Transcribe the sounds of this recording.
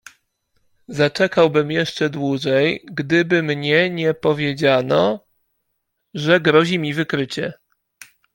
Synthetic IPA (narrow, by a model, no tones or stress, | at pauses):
zat͡ʂɛkawbɘmjɛʂt͡ʂɛd̪wuʐɛjɡd̪ɘbɘmɲɛɲɛpɔvʲjed͡ʑanɔ | ʐɛɡɾɔʑimʲivɘkɾɘt͡ɕɛ